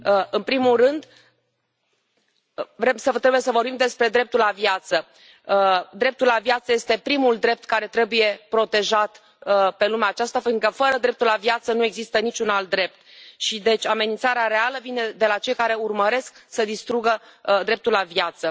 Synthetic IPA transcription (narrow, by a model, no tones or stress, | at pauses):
ɨnpɾimulrɨnd̪ | vɾemsət̪ɾebujesəvo̞rbimd̪e̞spɾe̞d̪ɾe̞p̚t̪ulavjat̪sə | d̪ɾe̞p̚t̪ulːavjat̪səje̞st̪e̞pɾimuld̪ɾe̞p̚t̪kaɾe̞t̪ɾe̞buje̞pɾo̞t̪e̞ʒat̪ | pe̞lumeaːt͡ʃast̪afiŋkəfəɾəd̪ɾe̞p̚t̪ulavjat̪sənue̞ɡzist̪ənit͡ʃunalt̪̚d̪ɾe̞p̚t̪ʃid̪e̞t͡ʃʲame̞nint̪saɾeaɾe̞aləvine̞d̪e̞lat͡ʃe̞jkaɾe̞urməɾe̞sksəd̪ist̪ɾuɡəd̪ɾe̞p̚t̪ulavjat̪sə